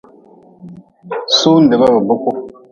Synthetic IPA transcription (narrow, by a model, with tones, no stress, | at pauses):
su˦n̩˨de˨ba˦bə˨bu˦ko˦